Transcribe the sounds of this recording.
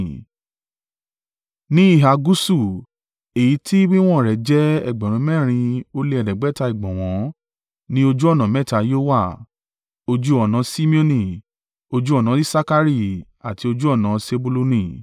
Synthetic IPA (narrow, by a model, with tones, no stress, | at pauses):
nĩ˦i˦˨ɦa˨ɡu˦su˦˨ | e˨ji˨˦tʰi˦wĩ˦w̃ɔ̃˦˨ɾɛ˨d͡ʒɛ˦ɛ̰˦˨ɡ͡bɛ˨ɾ̃ũ˨˧˦mɛː˦˨ɾ̃ĩ˧o˦le˧˦ɛ˨dɛ˨ɡ͡bɛ˨˦ta˧i˨ɡ͡bɔ̃˨w̃ɔ̃˨˦ | nĩ˦o˧d͡ʒu˦ɔ˦˨nã˨˦mɛ̃˦˨ta˧jo˦wa˦˨ | o˧d͡ʒu˦ɔ˦˨nã˨˦si˦mĩ˦o˧nĩ˨ | o˧d͡ʒu˦ɔ˦˨nã˨˦i˦sa˦ka˦ɾi˦˨ | a˨ti˧o˧d͡ʒu˦ɔ˦˨nã˨˦se˧bu˦lo˧nĩ˦˨